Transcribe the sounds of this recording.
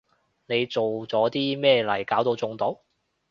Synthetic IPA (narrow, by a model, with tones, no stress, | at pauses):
ne˨˧jt͡so˨wt͡sɔː˨˥t̪iː˥mɛː˥˧lɐ˨˩jkaː˨˥wt̪o˧wt͡sʊ˨˧ŋt̪o˨˥w